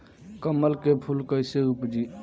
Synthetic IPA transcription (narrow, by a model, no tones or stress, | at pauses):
kəmːəlkepʰulkəjseupd͡ʒi